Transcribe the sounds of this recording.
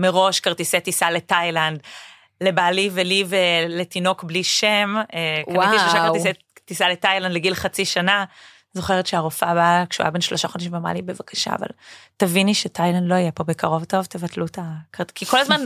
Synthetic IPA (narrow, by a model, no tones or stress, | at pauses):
meʁo̞ʃkaʁt̪isetisaletajland | lebaliveliveletino̞kbliʃemekaiʃloʃaaʁise | tisaletajlandleɡilχat͡siʃana | zo̞χeʁetʃeaʁofabakʃṵa̰benʃlo̞ʃaχo̞daʃĩmvama̰libe̞vakḁʃa̰ːva̰ltaviniʃetʰajlandloijepo̞bekaʁo̞vto̞vt̪evatlutakaʁkiko̞lazman